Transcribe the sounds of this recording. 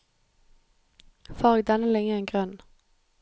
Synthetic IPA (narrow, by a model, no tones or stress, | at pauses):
fɑːʁɛɡd̪ɛnəlɛŋəɛnɡʁœn